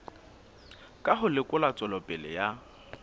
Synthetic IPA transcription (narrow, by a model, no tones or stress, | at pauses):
kʼaɦʊlɪkʼʊlat͡sʼɔlɔpʼɛlɪ̰ja